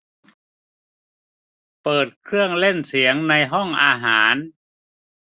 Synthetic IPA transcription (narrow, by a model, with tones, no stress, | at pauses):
pɤː˨˩t̪̚kʰɾɯ˥˩əŋle˥˩nsi˩˦əŋna˧jɦɔ˥˩ŋʔaː˧ɦaː˩˦n